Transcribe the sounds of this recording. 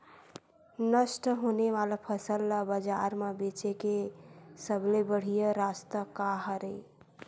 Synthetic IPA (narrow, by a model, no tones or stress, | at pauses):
nəsʈɦoneʋalapʰəsəlːabəd͡ʒaɾmebet͡ʃekesəblebəɽ̤ijəɾast̪əkaɦəɾe